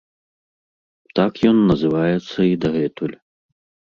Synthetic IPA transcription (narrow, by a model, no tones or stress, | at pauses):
t̪akjɔnːɐzɨvajɛt̪sːɐid̪ɐɣɛt̪ulʲ